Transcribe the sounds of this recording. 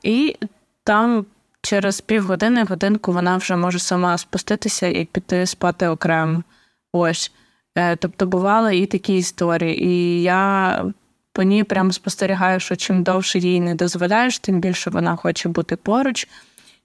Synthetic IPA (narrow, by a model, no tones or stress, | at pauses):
i | t̪ɑm | t͡ʃɛɾez̥pʲiwɦɔd̪ɪnɪɦɔd̪ɪnkʊʋɔnɑwʒɛmɔʒɛsɐmɑspʊst̪ɪt̪ɪsʲɐjɐ̰k̚pʲid̪ɪspɑt̪ɪɔkɾɛmʊ | ɔsʲ | t̪ɔpt̪ɔbʊʋɑlˠɪit̪ɐkʲiːst̪ɔɾʲijiʔijɑ | pɔnʲipɾʲamɔspɔst̪eɾʲiɦɑjʊʃɔt͡ʃɪmd̪ɔwʃɛjʲijnɛd̪ɔzʋɔlʲajʊʃt̪ɪmbʲilʲʃɔʋɔ̰nɑxɔt͡ʃɛbut̪ɪpɔɾʊt͡ʃ